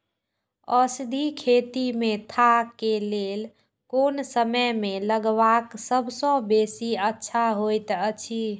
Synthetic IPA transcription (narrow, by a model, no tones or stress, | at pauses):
əsd̪ʱikʰet̪imet̪ʰakelel | konsəməjmeləɡbaksəbʱsɔ̃besiətːʃʰaɦojt̪ət͡ʃʰi